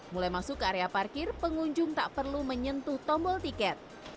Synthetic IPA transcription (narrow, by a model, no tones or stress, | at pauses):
mulajmasʊkaɾeaparkɪrpəŋuɲd͡ʒʊŋt̪aʔpərluməɲənt̪ʊht̪ɔmbɔlt̪ikɛt̪̚